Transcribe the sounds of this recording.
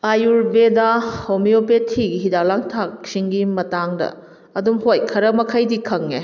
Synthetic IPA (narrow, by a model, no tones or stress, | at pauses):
ajuɾbedahomiopetʰːiɡiɦidalaŋtʰak̚siŋɡimɐtaŋdɐ̰ | ɐdumhojkʰɐɾɐmɐkʰajdikʰɐŋːe